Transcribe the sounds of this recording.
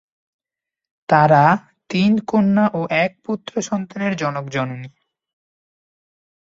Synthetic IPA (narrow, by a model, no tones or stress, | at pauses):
t̪aɾa | t̪inkonːaʔoʔɛk̚put̪ːɾoʃɔnt̪aneɾd͡ʑɔnokd͡ʑɔnuni